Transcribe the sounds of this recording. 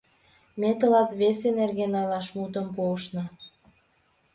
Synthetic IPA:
met̪əlɑt̪βesenerɣenɑlɑʃmut̪əmpoʃnɤ̆

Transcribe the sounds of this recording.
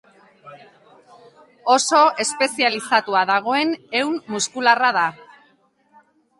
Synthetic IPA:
o̞so̞e̞spe̞sialisat̪uaðaɣ̞o̞e̞ne̞wmːuskularaða

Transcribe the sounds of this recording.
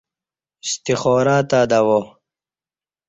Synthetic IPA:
ist̪ixoːɾaːt̪aːd̪awo

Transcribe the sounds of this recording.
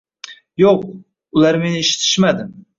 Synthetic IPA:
joq̚ | ʊlaɾme̞nɪːʃɪ̥t̪ʰɪ̥ʃmad̪ɪm

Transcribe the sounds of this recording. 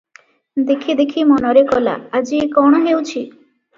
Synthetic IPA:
d̪ekʰid̪ekʰimɔnɔɾekɔla̰ad͡ʒiekɔɽ̃ɔɦewt͡ʃʰi

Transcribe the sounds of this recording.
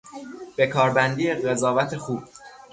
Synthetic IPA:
b̥e̞kʰɒːɾbænd̪iːeɢezɒːvæt̪ʰe̞xuːb̥̚

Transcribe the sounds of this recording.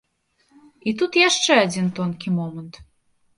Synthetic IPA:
it̪ut̪jɑʃt͡ʃeɑd͡zʲint̪onkʲimomənt̪

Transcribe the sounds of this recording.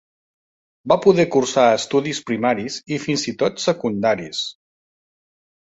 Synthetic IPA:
bapuðɛkursaəst̪uðispɾimaɾizifinzit̪ot̪səkund̪aɾis

